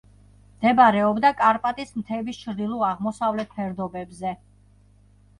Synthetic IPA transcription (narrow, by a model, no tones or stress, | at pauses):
md̪̥ɛbaɾɛɔbd̪akʼaɾpʼat̪ʼismt̪ʰɛbist͡ʃʰɾd̪ilˠɔaʁmɔsavlɛt̪̚ʰpʰɛɾd̪ɔbɛbzɛ